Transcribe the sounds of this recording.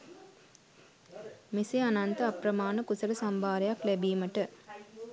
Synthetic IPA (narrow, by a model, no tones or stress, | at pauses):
miseanant̪əɐpɾɐmaːnəkusɐɾəsambʱaːɾɐjaklæbiːməʈə